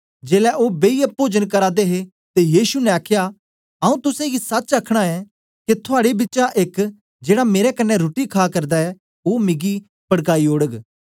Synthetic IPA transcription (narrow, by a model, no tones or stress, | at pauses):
d͡ʒeːlɛʔoːbeiəpoːd͡ʒənkɐɾaːd̪eɦe | t̪ejiːʃunɛ̃aːkʰja | ɐũt̪ʊsẽɡisɐt͡ʃɐkʰɽ̃aɛ | ket̪ʰʊaːɽebɪt͡ʃaʔek | d͡ʒeːɽameːɾɛkɐnːɛɾoːʈikʰaːkɐɾd̪aɛ | oːmɪɡi | pɐɽkaːioːɽəɡ